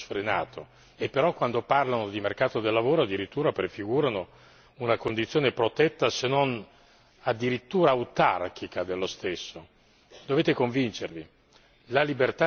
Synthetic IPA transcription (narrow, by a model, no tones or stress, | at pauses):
sfɾenaːt̪ʰo | epːeɾɔkːwand̪oparlanod̪imerkaːt̪od̪elːavoːɾoad̪ːiɾit̪ːuːɾapɾefiɡuːɾano | unakond̪it̪sːjoːnepɾot̪ɛt̪ːasenːon | ad̪ːiɾit̪ːuːɾaːwt̪ark̟ʰikad̪elːost̪esːo | d̪oveːt̪ekoɱvint͡ʃervi | lalibert̪a